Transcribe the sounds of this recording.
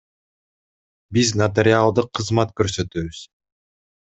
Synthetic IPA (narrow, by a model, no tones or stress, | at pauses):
biznɐt̪̬eɾʲɪalˠd̪ɯqʰːɯzmɑt̪køɾsø̞t̪øːβyz̥